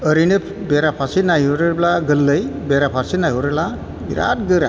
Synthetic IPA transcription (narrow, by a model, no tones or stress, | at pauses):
əɾinɯp | beɾapʰasinajuɾɯɾblaɡɯlːɯjbeɾapʰaɾsinajɦuɾɯla | bḭɾa̰t̚ɡɯɾa